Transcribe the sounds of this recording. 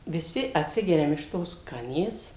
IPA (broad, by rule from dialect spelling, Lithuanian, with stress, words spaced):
ʋʲɪˈsʲɪ ɐtʲˈsʲɪɡʲɛrʲɛm ɪʃ ˈtoːs ˈkɑːnʲeːs